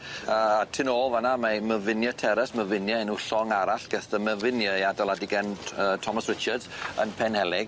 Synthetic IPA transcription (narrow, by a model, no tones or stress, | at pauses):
əːtʰɨnoːlˠvanamaməvɪnjɔtʰɛɾɛsməvɪnjaɛnʊɬɔŋaɾaɬɡ̥ɛθdəməvɪnjajadalˠadiɡɛnətʰɔmasɹɪt͡ʃədzənpʰɛnhɛlɪɡ̥